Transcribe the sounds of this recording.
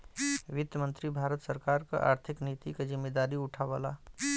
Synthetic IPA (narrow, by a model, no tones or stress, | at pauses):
ʋɪd̪jəmə̃nt̪ɾibʱaːɾət̪səɾkaːɾka̰ʔa̰ːɾt̪ʰɪkniːt̪ikad͡ʒɪmːeːd̪aːɾiʊʈʰaʋa̰la